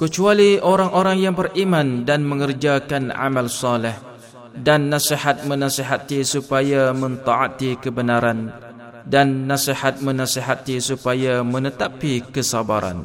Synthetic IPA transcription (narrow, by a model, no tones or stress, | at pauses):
kət͡ʃualioɾaŋʔoɾaŋjaŋbərimãndanmə̃ŋərd͡ʒakana̰mãlsalɪh | danːãsihat̪̚mə̃nãsiɦat̪isupajamə̃nt̪aat̪ikəbənaɾan | danːãsihat̪̚mə̃nãsiɦat̪isupajamə̃nət̪apikəsabaɾa̰n